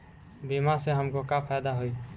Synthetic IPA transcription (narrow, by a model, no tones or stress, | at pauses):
bimaseɦəmkokapʰajd̪aɦoj